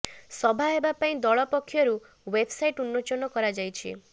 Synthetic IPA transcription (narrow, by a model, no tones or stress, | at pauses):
sɔbʱaɦebapaĩd̪ɔɭɔpɔkʰːjɔɾu | webʱsajʈunːɔt͡ʃɔnɔkɔɾad͡ʒajt͡ʃʰḭ